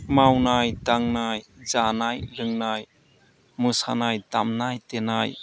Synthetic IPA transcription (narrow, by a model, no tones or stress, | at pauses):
mawnajdaŋnajzanajɾɯŋnaj | musanajdamnajtenaj